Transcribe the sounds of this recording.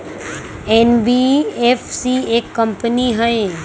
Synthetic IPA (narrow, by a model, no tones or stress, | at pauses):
enbiefsiekːəmpəniɦəe